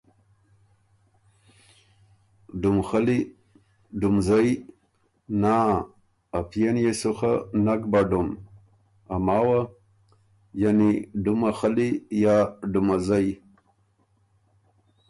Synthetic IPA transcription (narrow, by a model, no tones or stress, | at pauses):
ɖumxali | ɖumzaj | naː | pʰjenjesuxanakbaɖum | amawa | janiɖumaxalijaɖumazaj